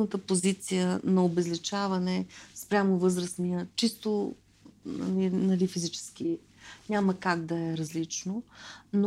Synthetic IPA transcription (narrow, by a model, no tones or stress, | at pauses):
nət̪əpozit̪sijənɐobɛzlit͡ʃavɐnɛspɾʲamovɤzɾəsnijət͡ʃist̪o | nɐ̰linɐlifizit͡ʃɛ̥sk̟i | nɲʲaməkaɡd̪ɐɛɾɐzlit͡ʃnono